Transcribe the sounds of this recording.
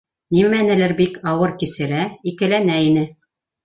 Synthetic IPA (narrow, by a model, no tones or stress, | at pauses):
nimænɘ̆lɘɾbikɑwɤɾkisɘ̆ɾæikɘ̆lænæinɘ